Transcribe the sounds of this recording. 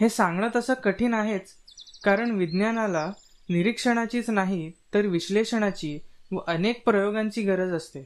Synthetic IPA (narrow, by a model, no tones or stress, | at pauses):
hesãŋɡɳəːt̪əsəkəʈʰiːnaɦet͡s | kaɾəɳʋid̪njanala | niɾikʂəɽ̃at͡ɕiːt͡snaɦit̪əɾʋiɕleʂəɳ̃at͡ɕiːʋəʔənek̚pɾəjoɡaɲt͡ɕiːɡəɾəd͡zəst̪e